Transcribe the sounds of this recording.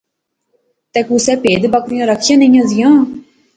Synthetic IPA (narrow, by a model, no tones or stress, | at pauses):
t̪ɛ̃ːkusɛːpeːd̪bəkɾijãːɾəkʰːijãːnəĩjãːzɪjãː